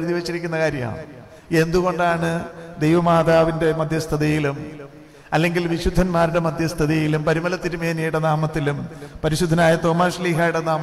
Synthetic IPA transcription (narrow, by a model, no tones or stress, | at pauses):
ɾuðiʋet͡ɕːiɾikʲːunːɐkaːɾjɐ̰ma̰ | e̞nd̪uɣo̞ɳɖaːɳɨd̪ejʋɐmaːd̪aːʋinde̞mɐd̪ʱjɐst̪ʰɐðijilum | ɐlːe̞ŋɡilʋiɕud̪ʱːɐnmaːɾuɽe̞mɐd̪ʱjɐst̪ʰɐðijilumpɐɾimɐlɐt̪ːiɾumeːnijuɽenaːmɐt̪ːilumpɐɾiɕud̪ʱːɐnaːjɐt̪o̞ːmaːʂɐliːɦaːjuɽenaːm